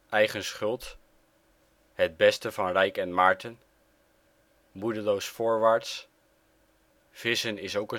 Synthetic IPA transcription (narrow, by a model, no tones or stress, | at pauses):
ʔɛjχənsχɵlˠt | ɦəd̚bɛstəvɑnrɛjkɛnmɑːɹtən | mudəlowsfʊːɹʋaːɹts | v̥ɪsənɪsowkə